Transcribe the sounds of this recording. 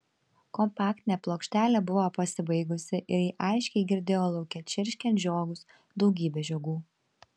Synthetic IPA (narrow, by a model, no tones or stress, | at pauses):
kɔmpɑːkt̪ʲɪnʲɛːplˠoːkʃʲt̪ʲæːlʲɛbʊʋoːpɐsʲɪbɐɪɡʊsʲɪʔɪɾjiːʔɐɪʃʲkʲɛɪɡʲɪɾʲd̪ʲeːjoːlˠɐʊkʲɛt͡ʃʲɪɾʲʃʲkʲɛnt̪ʲʒʲoːɡʊs | d̪ɒʊɡʲiːbʲɛːʒʲoːɡuː